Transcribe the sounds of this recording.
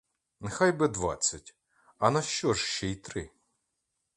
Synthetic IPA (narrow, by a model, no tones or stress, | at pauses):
nexɑjbɪd̪ʋɑ̰t͡sʲːɐtʲ | ɐnɐʃt͡ʃɔʒʃt͡ʃɛjt̪ɾɪ